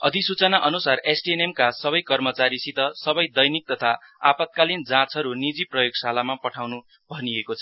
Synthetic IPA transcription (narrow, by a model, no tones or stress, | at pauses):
ʌ̰d̪ʱisut͡sʌnaʔʌnusaresɖienemkasʌbʌjkʌrmʌt͡saɾisit̪ʌsʌbʌjd̪ʌjnik̚t̪ʌt̪ʰa | apʌt̪̚kalind͡zãt͡sʌɾunid͡ziprʌjoɡsalamapʌʈʰawnu | bʱʌniekot͡sʰʌ